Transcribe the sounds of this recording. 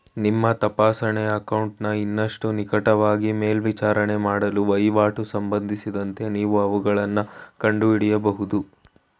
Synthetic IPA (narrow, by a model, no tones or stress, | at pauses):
nimːɐt̪ɐpaːsɐɳeɐkɐwɳʈnɐinːɐʂʈunikɐʈɐʋaːɡime̞ːlʋit͡ʃaːɾɐɳe̞maːɽɐluʋɐjʋaːʈusɐmbɐnd̪ʱisid̪ɐnt̪e̞niːʋuɐʋuɡɐɭɐnːɐkɐɳɖuiɽijɐbɐɦud̪u